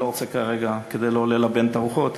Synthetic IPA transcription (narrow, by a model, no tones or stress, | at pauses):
loʁot͡sekaʁeɡaked̪ejleolelabe̞nt̪aʁuχo̞t̪